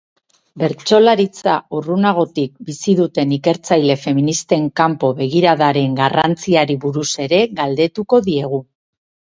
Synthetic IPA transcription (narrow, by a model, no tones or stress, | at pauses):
be̞ɾt͡ʃo̞laɾit͡saurunaɣ̞o̞t̪ik̚bisiðut̪e̞nike̞ɾt͡sajle̞fe̞minist̪e̞ŋkampo̞βe̞ɣ̞iɾaðaɾe̞ŋɡarant͡siaɾiβuɾuse̞ɾe̞ɣald̪e̞t̪uko̞ðie̞ɣ̞u